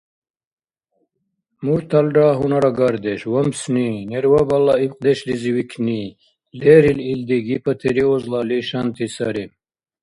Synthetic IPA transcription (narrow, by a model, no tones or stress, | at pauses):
muɾt̪ʰɐlɖaːɦunɐɾaɡaɾd̪eʃwɐmsnineɾwabɐlːɑibq̚d̪eʃliziwikʰni | leɾilild̪iɡipɐt̪ʰeɾiozlɑliʃant̪ʰisɐɾim